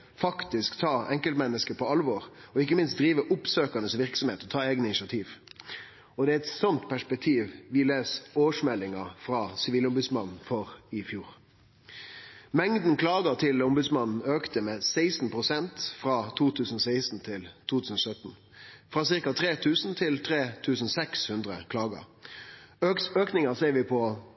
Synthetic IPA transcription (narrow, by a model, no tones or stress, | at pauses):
fɑkt̪ɪskt̪ʰɑːɛŋkəlmɛnːəskəpʰɔɑlʋɔɾɔɪkːəmɪnst̪̚d̪ɾiːʋəʔʊpsøːkɑnəsʋɪɾksɔmheːt̪ɔt̪ʰɑːeːɡənnɪnʃɑt̪ʰiːʋ | ɔd̪ɛæɾɛt̪sɔnt̪pʰæʂpɛk̚t̪ʰiːʋʋɪleːsoːʂmɛlːɪŋɑfɾɑsɪʋiːlʊmbʉd̪smɑnn̩fɔʁɪfjuːɾ | mɛŋd̪n̩kʰlɑːɡət̪ʰɪlʊmbʉd̪smɑnn̩øːkt̪əmɛsæɪsn̩pʰʁʊsɛnt̪fʁɑt̪ʰuːt̪ʰʉːsn̩ɔsæɪsn̩t̪ʰɪlt̪ʰuːt̪ʰʉːsən̩ɔsœt̪n̩ | fʁɑːsɪʁkɑt̪ʰʁeːt̪ʰʉːsn̩t̪ʰɪlt̪ʰʁeːt̪ʰʉːsn̩sɛkshʉnd̪ʁə̰kʰlɑːɡə̰ | øøːknɪŋɑseːʋɪpʰɔ